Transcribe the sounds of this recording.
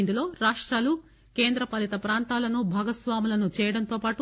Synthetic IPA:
nd̪ulo̞ːɾaːʂʈɾaːlu | ke̞ːnd̪ɾɐpɐlit̪ɐpɾaːnt̪aːlɐnubʱaːɡɐsʋaːmilɐnut͡ʃɛːjɐɽɐnt̪o̞ːpaːʈu

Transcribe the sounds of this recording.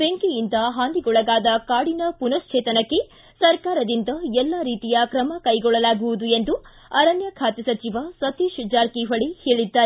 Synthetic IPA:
beŋkijind̪ɐɦaːnd̪iɡɔɭɐɡaːd̪ɐkaːɽinɐpunɐst͡ʃʰeːt̪ɐnɐkːe̞ | sɐɾkaːɾɐd̪ind̪ɐɛlːaːɾiːt̪ijɐkɾɐmɐkɐjɡɔɭːɐlaːɡuʋud̪ue̞nd̪u | ɐɾɐnjɐkʰaːt̪ɛsɐt͡ʃiʋɐsɐt̪iʃud͡ʒaːɾkiʋɐɭiheːɭid̪ːaːɾe

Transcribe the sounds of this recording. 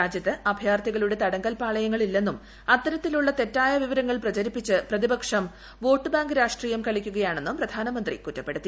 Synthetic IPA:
ɾaːd͡ʑjɐt̪ːɨʔɐbʱjaːrt̪ʰiɣɐɭuɽe̞t̪ɐɽɐŋɡɐlpaːɭɐjɐŋːɐɭilːe̞nːum | ɐt̪ːɐɾɐt̪ːiluɭːɐt̪e̞tːaːjɐʋiʋɐɾɐŋːɐɭprɐt͡ɕɐɾipːit͡ɕːɨprɐðibɐkʂɐm | ʋo̞ːʈːɨbaːŋɡɨɾaːʂʈriːjɐmkɐɭikʲːuɣɐjaːɳe̞nːumprɐd̪ʱaːnɐmɐnd̪rḭkutːɐpːe̞ɽut̪ːi

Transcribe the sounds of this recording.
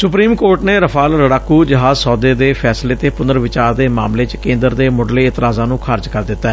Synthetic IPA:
sʊpɾiːmkoːɾʈneːɾəpʰaːlɾəɽaːkːuːd͡ʒəɦaːzsɔːd̪eːd̪eːpʰɛːsleːt̪eːpʊnd̪əɾʋɪt͡ʃaːɾd̪eːma̰ːmleːt͡ʃkẽːnd̪əɾd̪eːmʊɖleːɪt̪ɾaːzãːnũːkʰaːɾd͡ʒkəɾd̪ɪt̪ːaː

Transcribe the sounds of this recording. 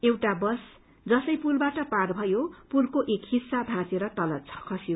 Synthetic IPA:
ewʈabʌs | d͡zʌsʌjpulbaʈʌparbʱʌjopulkoʔekhisːabʱãt͡seɾʌt̪ʌlʌd̪̚t͡sʰʌ̥kʰʌsjo

